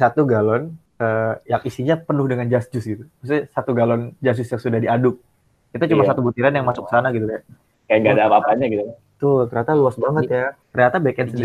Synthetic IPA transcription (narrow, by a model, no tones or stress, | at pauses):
sat̪uɡalɔn | əːjak̚isiɲapənʊhdəŋand͡ʒasd͡ʒʊsɡit̪umis̬t̪isat̪uɡalɔnd͡ʒas̬d͡ʒʊsjaŋsudahdiadʊk̚ | it̪ut͡ʃumasat̪ubut̪iɾanjaŋmasʊk̚ːəsanaɡit̪ukajaʔ | kajaŋɡadapaːaɲaɡit̪uka | t̪ʊt̪ərɲat̪aluasbaŋət̪̚jat̪ərɲat̪abekɛnsəndi